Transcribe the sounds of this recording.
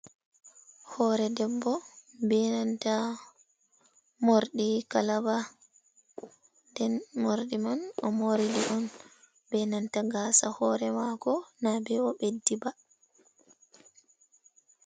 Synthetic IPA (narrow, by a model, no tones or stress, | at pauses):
hɔːɾɛdɛbːɔbɛnanta | moɾɗikalaba | ndɛnmoɾɗimanɔmoɾidiʔɔn | bɛnantaɡaːsahɔɾɛmakɔnabɛɔɓedːiba